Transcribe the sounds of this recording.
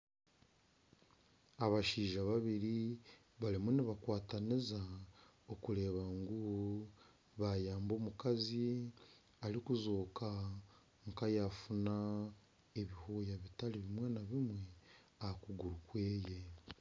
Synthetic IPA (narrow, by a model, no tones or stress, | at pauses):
aβaʃiːʒaβaβiɾi | βalimuniβakwaːtaniza | okuɾe̞ːβaŋɡu | βajaːmbo̞ːmukazi | alikuzoːka | ŋkajafuna | eβihuːjaβitaliβimwe̞naβimwe̞ | ahakuɡuɾukwe̞ːje̞